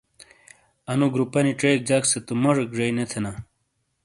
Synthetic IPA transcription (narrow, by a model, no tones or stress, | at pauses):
ɐnuɡɾupɐniʈ͡ʂejk̚d͡ʑakset̪omoʐekʐɐjnet̪ʰena